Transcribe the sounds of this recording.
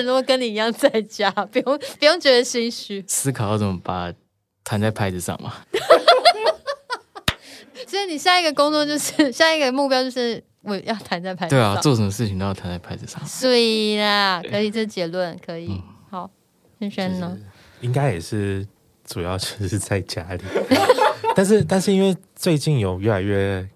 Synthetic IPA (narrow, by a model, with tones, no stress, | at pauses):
nu˧˥ɡo˨˩kə˦˥ni˨˩i˧˥jɑ˥˧ŋt͡sa˥˩ɪt͡ɕja˥pu˨˩jo˥˩ŋpu˧˥jo˥˩ŋt͡ɕɥɛ˧˥d̪ə˧ɕi˥ŋɕy˥sɹ̩˥kʰjo˥˩t͡sə˨˩mə˦pa˨˩ | t̪ʰa˧˦nt͡sa˥˩ɪpʰa˧˥ɪd͡z̩˨˧ʂɑ̰˥˨˩ŋmɐ̰˨ | swɔ˧˥i˨˩ni˨˩ɕja˥˧i˥ɡə˨˩kʊ˥ŋt͡swɔ˥˧t͡ɕjo˥˧ʊʂɻ̩˥˩ɕja˥˧i˧˥ɡə˨mu˥˩pjʊt͡ɕjo˥˧ʊʂɻ̩˥˩ | wɔ˨jɑ˥˩ʊt̪ʰa˧˦nt͡sa˥˩ɪpʰa˥t̪we˥˩a˨˩˥t͡swɔ˥˩ʂə˧˦mə˧˦ʂɻ̩˥˩t͡ɕʰi˨ŋt̪o˧jɑ˥˩t̪ʰa˧nt͡sa˥˩ɪpʰa˧˥ɪt͡s̩˨˩ʂɑ̰˥˨ŋse˥˩ə˨˩kʰɤ˧˥i˨˩ʈ͡ʂə˥˩˨t͡ɕjɛ˨˥lwə˥˩nkʰɤ˧˦˥i˨˩hɑ˨˩˦ʊ | fə˥nʂə˥nə˧ | i˦ŋka˥ɪjɛ˨˩ʂɻ̩˥˩ | ʈ͡ʂu˨˩jɑ˥˧ʊt͡ɕo˧˥˧ʂ̩˥˧t͡sa˥˧ɪt͡ɕja˦˥li˨˩ | t̪a˥˧nʂ̬ɻ̩˥˧t̪a˥˧nʂɻ̩˥˧i˥nwe˥˧ɪ | t͡swe˥˧ɪt͡ɕi˥˨njo˨˩ʊɥɛ˥˩la˨˧ɪɥɛ˥˩